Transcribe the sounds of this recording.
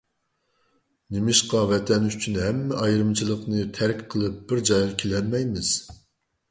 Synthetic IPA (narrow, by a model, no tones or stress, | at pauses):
nemɪʃqɑvɛt̪ʰɛnyt͡ʃʰynɦɛmːɛʔɑjɾɨmt͡ʃʰilˠəqnɨt̪ʰæɾkʲqʰəlˠɨp̚b̥ɪɾd͡ʒɑjʁɑkʲʰelɛnmɛjmɪz̥